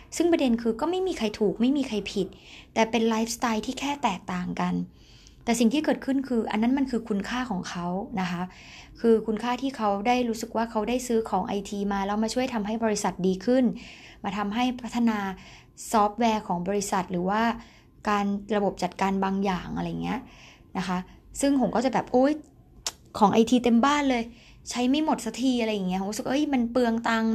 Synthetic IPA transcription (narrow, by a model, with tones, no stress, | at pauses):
sɯ˥˩ŋpɾa˧de˧nkʰɯː˧kɔː˥˩ma˥˩jmiː˧kʰa˧jt̪ʰuː˨˩k̚ma˥˩jmiː˧kʰa˧jpʰi˨˩t̪̚ːɛː˨˩pe˧nlaː˦˥jfst̪aː˧jt̪ʰiː˥˩kʰɛː˥˩t̪ɛː˨˩k̚t̪aː˨˩ŋka˧n | t̪ɛː˨˩si˨˩ŋt̪ʰiː˥˩kɤː˨˩t̪̚kʰɯ˥˩nkʰɯː˧ʔa̰˧nːa˦˥nma˧nkʰɯː˧kʰu˧nkʰaː˥˩kʰɔː˩˦ŋkʰa˦˥wna˦˥kʰa˦˥ʔ | kʰɯː˧kʰu˧nkʰaː˥˩t̪ʰiː˥˩kʰa˦˥wdaː˥˩jɾuː˦˥sɯ˨˩k̚waː˥˩kʰa˦˥wdaː˥˩jsɯː˦˥kʰɔː˩˦ŋʔa̰˧jt̪ʰiː˧maː˧lɛː˦˥wmaː˧t͡ɕʰu˥˩əjt̪ʰa˧mɦa˥˩jbɔː˧ɾi˦˥sa˨˩t̪̚diː˧kʰɯ˥˩nmaː˧t̪ʰa˧mɦa˥˩jpʰa˦˥t̪ʰːa˧naː˧ | sɔː˦˥p̚wɛː˧kʰɔː˩˦ŋbɔː˧ɾi˦˥sa˨˩t̪̚ɾɯː˩˦waː˥˩ | kaː˧nɾa˧bo˨˩p̚t͡ɕa˨˩t̪̚kaː˧nbaː˧ŋjaː˨˩ŋʔa˧ɾa˧jːa˨˩ŋːni˦˥ɐʔ | na˦˥kʰa˦˥sɯ˥˩ŋpʰo˩˦ŋkɔː˥˩t͡ɕa˨˩bɛː˨˩p̚ʔo˦˥j | kʰɔː˩˦ŋʔa˧jt̪ʰiː˧t̪e˧mbaː˥˩nlɤː˧j | t͡ɕʰa˦˥jma˥˩jmo˨˩t̪̚sa˧t̪ʰiː˧ʔa˧ɾa˧jːa˨˩ŋːi˦˥o˨˦˥sɯ˨˩k̚ʔɤ˦˥jma˧npɯ˧əŋt̪a˧ŋ